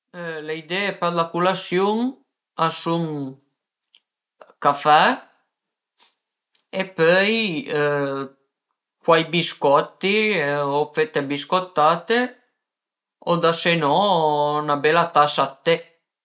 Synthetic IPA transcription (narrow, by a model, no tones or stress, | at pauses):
leid̪ɛːepɛrlakulasjuŋ | asuŋ | kafɛ | epœj | kwajbiskɔt̪ːiɔfet̪ːebiskot̪ːaːt̪e | od̪asenɔnabɛlat̪asat̪ːe